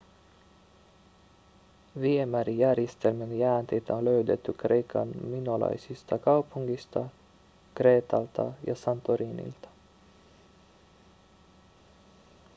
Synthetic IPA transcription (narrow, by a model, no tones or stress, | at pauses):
ʋiemæɾijærjest̪elmenjæːnt̪ejt̪æonløɥd̪e̞t̪ːykrejkʰɑ̰nminolɑ̰jsist̪ɑkɑwpuŋɡist̪ɑ | kre̞ːt̪ɑlt̪ɑ̰jɑ̰sɑnt̪oɾiːnḭlt̪ɑ̥